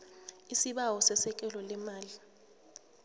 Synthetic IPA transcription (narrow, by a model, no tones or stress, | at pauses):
isiɓawɔsɛsɛk̬ʼɛlɔlɛmaːli